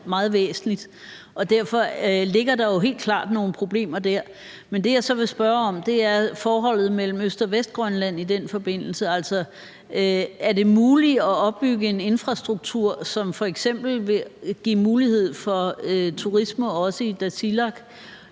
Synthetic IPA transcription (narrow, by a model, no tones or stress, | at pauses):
mɑ̈ːð̩ˠʋḛːsn̩lid̥ | ɒ̽d̥æɐ̰fɒ̽le̝ɡ̥ɐd̥ɑ̈jo̝ɦe̝̰ːld̥̚kʰl̥ɑ̰̈ːd̥no̝ːn̩pʰʁo̝b̥le̝̰ːmɐd̥æɐ̰ | mend̥e̝jɑ̈ɪsɒ̽ʋe̝sb̥ɶːɐɒ̽md̥e̝æɐfɒːɦɒ̽l̰ð̞̩ˠmel̰m̩øsd̥ɒ̽ʋesd̥̚ɡ̥ʁɶnlæn̰id̥enfɒ̽b̥e̝n̰l̩səæl̰sɒ̽ | æɐde̝muːliɒɒ̽b̥ːyɡ̥əe̝ne̝nfʁɑ̈sd̥ʁuɡ̥̚t͡sʰuɐ̰sɒ̽mfɒ̽eɡ̥sem̰b̥l̩ʋe̝ɡ̥imuːlihe̝ð̞̰ˠfɒ̽øt͡sʰuʁisməɒ̽səid̥æsilɑɡ̥